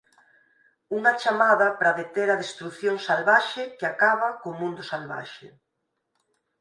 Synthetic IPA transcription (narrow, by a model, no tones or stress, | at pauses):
uŋat͡ʃamaðapɾaðet̪eɾaðest̪ɾuθjoŋsalβaʃekeakaβ̞akomũnd̪ʊsalβa̰ʃḛ